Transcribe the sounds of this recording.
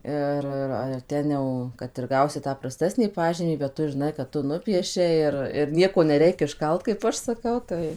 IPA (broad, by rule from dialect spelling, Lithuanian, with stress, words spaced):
ˈɪr ɪr ɐr ˈtʲɛn jɛʊ kɐt ɪr ˈɡɐʊsʲɪ ˈtɑː prɐˈsʲtʲæːsʲnʲiː ˈpɑːʒʲiːmʲiː bʲɛt ˈtʊ ʒʲɪˈnɐɪ kɐt ˈtʊ ˈnʊpʲiɛʃʲɛɪ ɪr ɪr ˈnʲiɛkoː nʲɛˈrʲɛɪk ɪʃˈkɐlˠt kɐɪp ˈɐʃ sɐˈkɐʊ ˈtɐɪ